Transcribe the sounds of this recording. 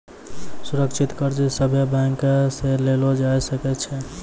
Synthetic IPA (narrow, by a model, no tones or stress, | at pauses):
suɾəkt͡ʃʰit̪kəɾd͡ʒisəbʱjəbaŋkselelod͡ʒajsəkɛt͡ʃʰɛ